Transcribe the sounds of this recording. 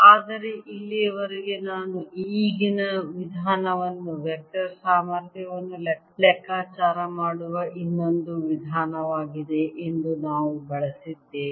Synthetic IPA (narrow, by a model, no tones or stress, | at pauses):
aːd̪ɐɾe̞ʔilːiʋɐɾiɡe̞naːnuiːɡinɐʋid̪ʱaːnɐʋɐnːuʋjɛk̚ʈɐɾsaːmaɾd̪ʱjɐʋɐnːulɛ | lɛkːaːt͡ʃaːɾɐmaːɽuʋɐʔinːo̞nd̪uʋid̪ʱaːnɐʋaːɡid̪e̞ʔend̪unaːʋubɐɭɐsid̪ːe